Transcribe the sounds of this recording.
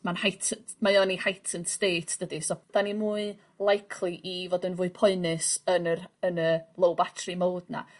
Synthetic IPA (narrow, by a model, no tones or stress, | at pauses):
manhajtʰəmajɔnihajtʰənsteːtʰd̥ədisɔd̥animuːɨ | lˠajkʰlˠiʔivɔːdɪnvʊːɨpʰɔɨnɪsənərənəlˠowbatʰrimoːdna̰